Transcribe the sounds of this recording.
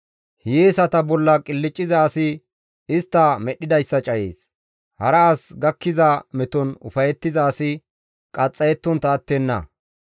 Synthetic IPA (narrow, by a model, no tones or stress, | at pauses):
hjeːsɐt̪ɐbɔlːɐkʼɪlːɪt͡ʃʼːɪzaːsɪ | ɪst̪ːɐmɛɗːɪd̪ɐjsːɐt͡ʃʼɐjeːs | hɐɾɐːsɡɐkːɪzɐmɛt̪ɔnʊ̰fɐjɛt̪ːɪzaːsɪ | kʼɐt͡sʼːɐjɛt̪ːɔnt̪aːt̪ːɛnːɐ̰